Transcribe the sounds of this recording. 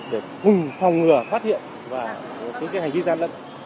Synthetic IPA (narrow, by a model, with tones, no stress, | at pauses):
ɗe˧˩kʊ˨˩ŋ͡mfa˨˩wŋ͡mŋɨ˨˩əfaː˦˥t̚hḭ˧˨ən | vaː˨˩˨ | t͡ɕɨ˨˧˦kaː˨˦ja˨˩jŋvi˧zaː˧nlə̰˧˨n